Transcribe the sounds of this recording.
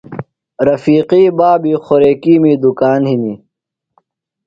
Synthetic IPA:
ɾɐfiːqiːbaːbiːxoɾeːkiːmiːd̪ukaːnhiniː

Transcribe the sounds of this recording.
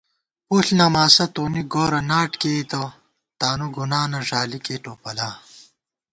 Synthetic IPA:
uːɬnɐmaːsɐt̪oːniɡoːɾɐnaːʈkeːt̪ɐ | t̪aːnuɡunaːnɐʐaːlikeːʈoːpɐlaː

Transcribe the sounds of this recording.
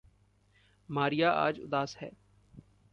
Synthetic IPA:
maːɾijaːʔa̰ːd͡ʒʊ̰d̪aːshɛ̰ː

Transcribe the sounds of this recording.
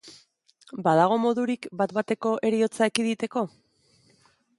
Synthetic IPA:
baðaɣ̞o̞mo̞ðuɾikbat̪bat̪e̞ko̞ʔe̞ɾio̞t͡saekiðit̪e̞ko̞

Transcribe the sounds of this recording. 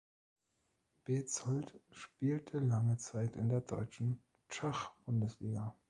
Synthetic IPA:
b̥eːt͡shɔltʃpiːltʰəlaŋət͡saɪtɪ̰ndeːɐdɔʏt͡ʃn̩ | t͡ʃaχb̥ʊndəsliːɡa

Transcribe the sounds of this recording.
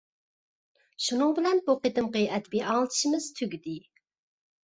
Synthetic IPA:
ʃunɨŋbɪlɛnbuqet̪ɨmqəʔɛd̪biʔɑŋlˠt̪ʰɨ̥ʃimɪz̥t̪ʰyɡʲid̪ɪ

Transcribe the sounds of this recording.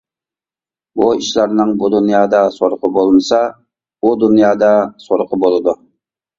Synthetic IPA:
buiʃlɑɾnɨŋbud̪unjɑːd̪ɑsoɾqʰəbolˠmɨsɑ | ud̪unjɑːd̪ɑsoɾqəbolˠɨd̪u

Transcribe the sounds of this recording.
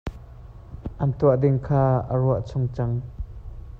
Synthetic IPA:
ʔɐnt̪uaʔd̪ɪŋkʰaːə̰ɾuaʔt͡sʰʊŋt͡saŋ

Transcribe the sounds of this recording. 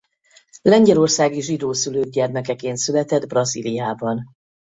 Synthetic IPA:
lɛɲɟɛlo̞rsaːɡiʒid̪oːsyløːɡ̚ɟɛrmɛkɛkeːnt̪sylɛt̪ɛd̪brɒzḭlijaːbɒn

